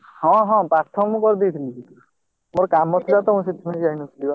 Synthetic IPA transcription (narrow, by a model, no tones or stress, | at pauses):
hɔ̃ɦɔ̃pɾaɾt̪ʰɔkmũkɔɾd̪it̪ʰilii | moɾkamɔt̪ʰɾat̪ɔmũsit̪ʰːimãiajnusiliwa